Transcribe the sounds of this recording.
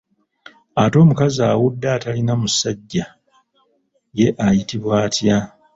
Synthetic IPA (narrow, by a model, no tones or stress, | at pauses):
ato̞ːmukazaːwudːaːtalinamusaɟːa | je̞ʔajitiβwaːtja